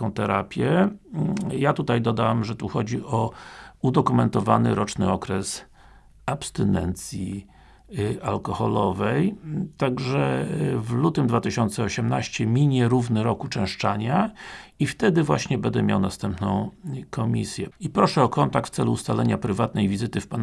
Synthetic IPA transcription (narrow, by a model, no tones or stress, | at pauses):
ɔ̃w̃t̪ɛɾa̰pʲjɛ | jat̪ut̪ajd̪ɔd̪awamʐɛt̪uxɔd͡ʑiɔud̪ɔkumɛnt̪ɔvanɘɾɔt͡ʂnɘ̰ɔkɾɛs | apst̪ɘnɛ̰nt̪sʲji | alkɔxɔlɔvɛjt̪aɡʐɛvlut̪ɘmd̪vat̪ɘɕɔnt̪sɛɔɕɛmnaɕt͡ɕɛmʲiɲɛɾuvnɘɾɔkut͡ʂɛ̃w̃ʂt͡ʂaɲaift̪ɛd̪ɘvwaɕɲɛbɛnd̪ɛ̰mʲja̰wnast̪ɛmpnɔ̃w̃kɔmʲisʲjɛipɾɔʂɛɔkɔnt̪ak̚t̪ft̪sɛluːst̪alɛɲapɾɘvat̪̚nɛjvʲizɘt̪ɘfpan